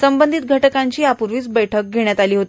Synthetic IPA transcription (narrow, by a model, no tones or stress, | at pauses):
səmbənd̪ʱit̪̚ɡʱəʈəkaɲt͡ɕiːapuɾʋiːt͡sbəjʈʰək̚ɡʱeɳ̃jat̪aliːɦot̪i